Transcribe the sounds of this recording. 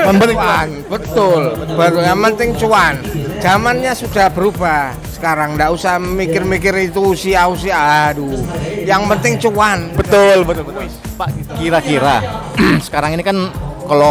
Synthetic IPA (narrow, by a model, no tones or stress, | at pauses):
məbəanbət̪ʊlbət̪ʊljaŋpənt̪ɪŋt͡ʃuand͡ʒamanɲasudabəɾuba | sə̥kaɾaŋndaʔusahməmikɪrmikɪɾit̪usiaus̬iadujaŋpənt̪ɪŋt͡ʃuanbət̪ʊlbət̪ʊlbət̪ʊ | pakiɾakiɾa̰sə̥kaɾaŋinikankəlɔ